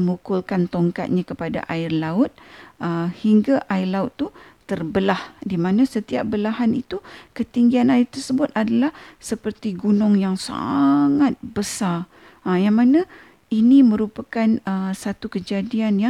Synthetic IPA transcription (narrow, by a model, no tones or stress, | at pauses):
mukʊlkant̪oŋka̰t̪̚ɲãkəpada̰ʔaɪrlaʊt̪̚əhiŋɡaʔaɪrlaʊt̪ːut̪ərbəlahdimanãsət̪iap̚bəlaɦanit̪ukət̪iŋɡianaɪrt̪ərsəbʊt̪̚adalahsəpərt̪iɡunʊŋjaŋsa̰ŋat̪̚bəsar | əjaŋmanã | inimə̃ɾupakanəsat̪ukəd͡ʒadianja